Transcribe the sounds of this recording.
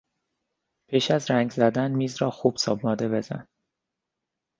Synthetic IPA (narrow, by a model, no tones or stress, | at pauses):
pʰiːʃæzɾæŋɡzæd̪ænmiːzɾɒːxuːb̥sɒːbnɒːd̪e̞be̞zæ̰n